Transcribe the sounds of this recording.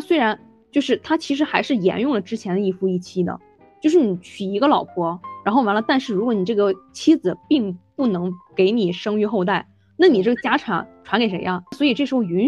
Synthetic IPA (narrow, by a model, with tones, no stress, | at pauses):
swe˥ɪɻa˧˥n | t͡ɕjo˥˧ʊʂɻ̩˥˩t̪ʰa˥t͡ɕʰi˧˥ʂ̬ɻ̩˧˥xa˧˥ɪʂɻ̩˥˩jɛ̰˧˥njʊ˥˩ŋlə˩ʈ͡ʂɻ̩˥t͡ɕʰjɛ˧˥nd̪ə˧i˥˩fu˥˧i˥˩t͡ɕʰi˥d̪ə̰˨ | t͡ɕjo˥˧ʂɻ̩˥˩ni˨˩t͡ɕʰy˨˩i˧˥ɡə˧lɑ˨˩ʊpʰwɔ˥ɻa˧˥nxo˥˩ʊwa˧˥nlə˧t̪a˥˧nʂɻ̩˥˩ɻu˧˥kwɔ˧˥ni˨˩ʈ͡ʂɤ˥˩ɡə˩t͡ɕʰi˥d͡zɹ̩˩pi˥˧ŋpu˥˩nɤ˧˥ŋke˧˥ɪni˨˩ʂɤ˥ŋy˥˧xo˥˧ʊt̪̬a˥˩ɪ | na˥˩ni˨˩ʈ͡ʂɤ˥˩ɡə˩t͡ɕja˥ʈ͡ʂʰɑ̰˨˩˦ŋʈ͡ʂʰwa˧˥nke˧˩ɪʂe˧˥ɪjɑ˥˧swɔ˧˥i˨˩ʈ͡ʂɤ˥˩ʂ̩˧˥xʊy˧˥n